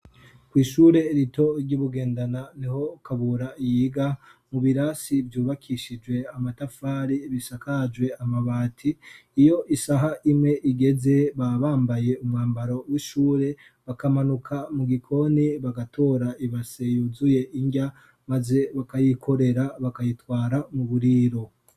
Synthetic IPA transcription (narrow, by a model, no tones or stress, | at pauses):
kwiːʃuːɾe̞ɾito̞ɾɟuβuɡe̞ːndananiho̞kaβuɾaijiɡamuβiɾasivjuːβakʰiʃid͡ʒwe̞amatafaːɾiβisakad͡ʒwe̞amaβaːtʰiːjo̞ʔisaɦaʔimŋe̞ʔiɡe̞ze̞βaβaːmbaje̞umŋaːmbaɾo̞wiʃuːɾe̞ | βakamanukʰamuɡikʰo̞niβaɡatʰo̞ɾaʔiβase̞juzuje̞ʔiɲɟa | maze̞βakajikʰo̞ɾe̞ɾaβakajitwaːɾamuβuɾiːɾo̞